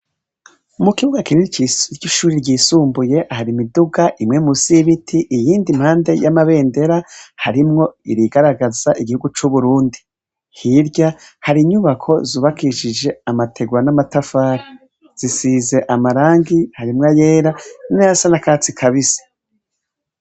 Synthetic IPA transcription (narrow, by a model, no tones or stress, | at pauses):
mukiβuɡakinint͡ʃiɾɟiʃuːɾiɾɟiːsuːmbuje̞ʔahaɾimiduɡaʔimŋe̞musiβitʰiʔijiːndim̥haːnde̞jamaβe̞ːnde̞ɾahaɾimŋo̞iɾiɡaɾaɡazaʔiɡihuɡut͡ʃuβuɾuːndi | hiɾɟa | haɾiɲuβakʰo̞zuːβakiʃid͡ʒe̞amatʰe̞ɡwanamatafaɾi | z̥isize̞ʔamaɾaːŋɡihaɾimŋaje̞ːɾaninaasanakaːt͡sikʰaβize̥